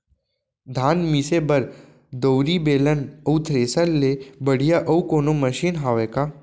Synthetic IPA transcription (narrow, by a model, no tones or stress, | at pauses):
d̪ʱaːnmisebɐɾ | d̪oʊɾibeːlənəut̪ʰɾeːsəlːebɐɽ̤ijaʔɐukoːnomɐʃiːnɦaːʋeːkaː